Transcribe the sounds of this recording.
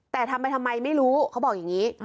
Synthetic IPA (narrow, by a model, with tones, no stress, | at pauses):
t̪ɛː˨˩t̪ʰa˧mp̬a˧jt̪ʰa˧mːa˧jma˥˩jɾuː˦˥kʰa˦˥wbɔː˨˩k̚jaː˨˩ŋiː˦˥